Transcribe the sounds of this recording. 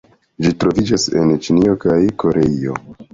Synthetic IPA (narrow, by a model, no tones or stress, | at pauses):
d͡ʒitɾo̞vid͡ʒase̞̰nt͡ʃinio̞kajko̞ɾeio̞̰